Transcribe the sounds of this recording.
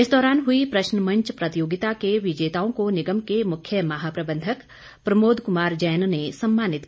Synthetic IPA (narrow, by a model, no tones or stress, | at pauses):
ɪsd̪ɔːɾaːnɦʊipɾɐʃnəmɐ̃ɲt͡ʃpɾɐt̪joːɡɪt̪akeʋɪd͡ʒeːt̪aːõkonɪɡəmkemʊkʰjəmɐɦaːpɾɐbə̃nd̪ʱək | pɾɐmoːd̪ʱkʊmaːɾd͡ʒɛːjnnesɐmːaːnɪt̪